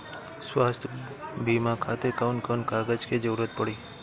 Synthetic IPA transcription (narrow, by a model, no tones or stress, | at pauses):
swast̪ʰ | bimakʰat̪ekawnkənkaɡəd͡ʒked͡ʒəwɾət̪̚pəɽiː